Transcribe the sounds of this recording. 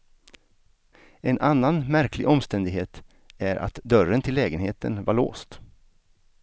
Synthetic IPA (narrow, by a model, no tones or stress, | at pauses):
ɛnʔanːanmæɾkʰlɪ̰ɡɔmst̪ɛnd̪ɪɡɦeːt̪ | æɾʔa̰t̪d̪œɾənt̪ʰɪlːɛːɡənheːt̪ə̰nvaɭo̰ːst̪